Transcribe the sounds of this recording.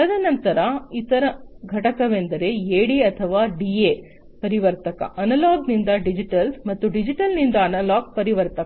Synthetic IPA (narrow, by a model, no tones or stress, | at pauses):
ɐɐd̪ɐnɐnt̪ɐɾɐit̪ɐɾɐɡʱɐʈɐkɐʋend̪ɐɾe̞eːɽiɐt̪ʰɐʋaːɖiːe | pɐɾiʋɐɾt̪ɐkɐ̰ʔɐnɐlaːɡnind̪ɐɖid͡ʒiʈɐlsmɐt̪ːuɖid͡ʒiʈɐlnind̪ɐːnɐlaːɡ̚pɐɾiʋɐɾt̪ɐɐ